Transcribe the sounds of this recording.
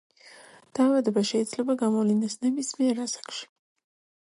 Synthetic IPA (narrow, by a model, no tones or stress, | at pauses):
d̪̥aːvad̪ɛbaʃɛid̪zlɛbaɡamɔvlinɛsnɛbismiɛɾasḁkʃi̥